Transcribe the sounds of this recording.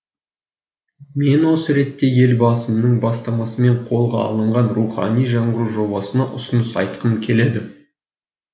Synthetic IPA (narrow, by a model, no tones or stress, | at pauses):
me̞nwo̞səɾe̞t̪ːe̞je̞lbɑsəmnəɴbɑst̪ɑmɑsəme̞ɴqʰo̞lˠʁɑɑ̰lˠəɴʁɑnruχɑ̰nijʒɑɴʁəɾuʒo̞bɑsənɑʔʊsənəsɑ̰jt̪̚qʰəmkʲʰe̞le̞d̪ɪ